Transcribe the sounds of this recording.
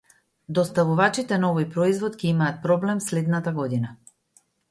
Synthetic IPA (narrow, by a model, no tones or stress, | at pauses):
d̪ɔst̪avuvat͡ʃit̪ɛnaɔvɔjpɾɔizvɔt̪cʲɛimaːt̪̚pɾɔblɛmslɛd̪nat̪aɡɔd̪ina